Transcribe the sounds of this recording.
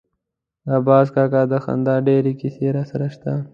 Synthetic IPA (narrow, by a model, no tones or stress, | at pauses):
abɑːzkaːkaːd̪axa̰nd̪aːɖeːɾikiseːɾasɐɾaʃt̪a